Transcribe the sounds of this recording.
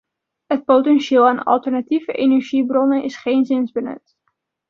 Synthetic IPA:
ɦət̚powtɛnʃeːlˠaːnɑ̰lˠtəɹnativəʔenɛɹʒibrɔnənʔɪsχejnzɪnzbənɵ̰t

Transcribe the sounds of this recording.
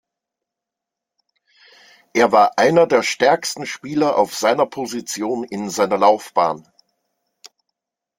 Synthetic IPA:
ʔeːɐvaːɐʔaɪnɐdeːɐʃtɛɐkstn̩ʃpiːlɐʔa̰ʊfz̥aɪnɐpʰozit͡sjoːnɪnzaɪnɐlaʊfb̥a̰ːn

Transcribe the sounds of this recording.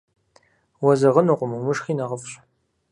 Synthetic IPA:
wɔzɐʁənuqʷʼʊmɨmʊʃχiːnɐʁəfɕʼ

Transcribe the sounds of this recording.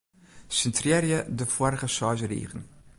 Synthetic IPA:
sɪntʰrɛɾjədəfɔɾχəʃɑːʒəɾḭːχən

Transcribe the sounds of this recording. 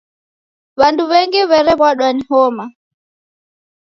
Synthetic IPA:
βanduβɛŋɡiβɛɾɛβwaɗwanihɔma

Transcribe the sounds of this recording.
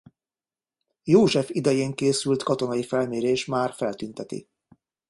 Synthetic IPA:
joːʒɛfid̪ɛjeːŋkeːsylt̪kɒt̪o̞nɒjifɛlmeːɾeːʃmaːrfɛlt̪ynt̪ɛt̪ḭ

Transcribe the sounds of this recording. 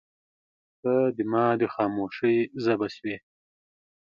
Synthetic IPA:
t̪ad̪əmɑːd̪əxɑːmoːʂəjzabaswe

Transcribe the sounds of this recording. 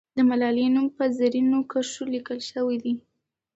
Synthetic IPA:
d̪əmalɑlinumpəzaɾinokaʂolikəlʃəwid̪i

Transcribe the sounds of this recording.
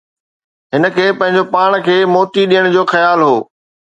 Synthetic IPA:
ɦɪnə̆kʰeːpɐ̃ɦɪ̃ɲ̆d͡ʑopaːɽ̃kʰeːmoːʈiɗijəɽ̃d͡ʑoːxɐjaːlɦoː

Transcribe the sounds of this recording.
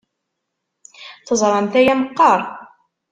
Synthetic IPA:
θəzˤɾˤɑnt̪æjæməqːɑɾˤ

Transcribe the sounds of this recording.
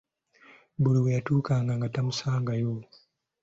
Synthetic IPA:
buɾiwejatuːkaŋɡaŋɡatamusaːŋɡajo

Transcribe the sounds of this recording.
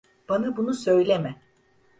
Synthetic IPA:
b̥anabunusø̞jlʲemɛ

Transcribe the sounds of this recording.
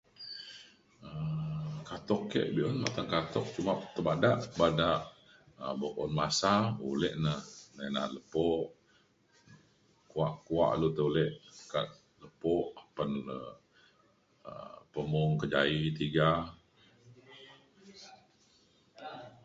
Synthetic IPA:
əkat̪ɔkːḛʔbiʔɔnma̰t̪aŋkat̪ɔk̚t͡ʃumat̪əbadaʔbadaʔ | əboʔɔnmasaulɛʔnəhnanaləpɔʔ | kuaʔkua̰ʔlut̪əulɛʔkat̪̚ | ləpɔʔapanlə̰ | ə̰pəmɔŋkəd͡ʒait̪iɡa

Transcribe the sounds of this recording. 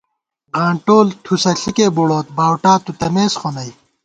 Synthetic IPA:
ʁãːɳʈoːlt̪ʰusɐɬʰikeːboɽoːt̪̚baːwʈaːt̪ut̪ɐmeːsχonɐj

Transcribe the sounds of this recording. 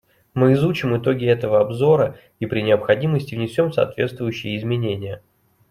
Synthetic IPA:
mɨɪzut͡ɕɪmɪt̪o̞ɡʲɪɛt̪əvəɐbzo̞ɾə | ipɾʲɪnʲɪəpxɐdʲiməsʲtʲɪvnʲɪsʲo̞mfsɐ̰ːt̪vʲe̞t̪st̪vʊjʉɕːɪjəɪzmʲɪnʲenʲɪjə

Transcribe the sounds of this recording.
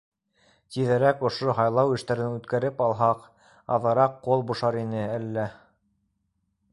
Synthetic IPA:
t̪iðæɾækŏʃoɦɑjlˠɑwɘ̆ʃt̪æɾɘnʉt̪kæɾɘpɑlˠɦɑq | ɑ̰ðɑ̆ɾɑqːolˠbuʃɑɾinɘælːæ

